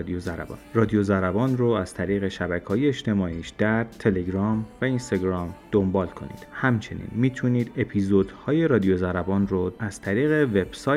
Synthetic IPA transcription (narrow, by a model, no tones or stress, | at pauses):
d̪iozæɾæ̰bɒ̰ːnrɒːd̪ijozæɾæbɒːnroæz̥t̪ʰæɾiːɣe̞ʃæbækʰɒːjeːʃt̪ʰe̞mɒːiːʃd̪̥æɾt̪ʰe̞le̞ɡɾɒːmvæinst̪ɒɡɾɒːmd̪̥o̞mbɒːlkʰo̞̰nḭːd̪̥hæmt͡ʃʰe̞nḭːnmiːt̪ʰuniːd̪e̞pʰiːzod̪hɒːje̞ɾɒːd̪ijozæɾæbɒːnroæz̥t̪ʰæɾiːɣe̞ve̞b̥sɒ